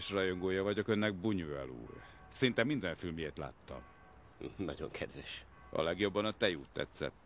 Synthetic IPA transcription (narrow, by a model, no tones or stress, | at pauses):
ʃrɒjo̞ŋɡoːjɒvɒɟo̞kø̞nːɛɡ̚buɲuɛlṵːr | sɛɾint̪ɛmːind̪ɒjɒfilmijeːrt̪la̰ːt̪ːɒ̰m | nɒɟo̰ŋkʰɛd̪vɛʃ | ɒ̰lɛɡjo̞bːɒnɒt̪ɛjuːt̪ːɛ̰t̪sɛ̰t̪ː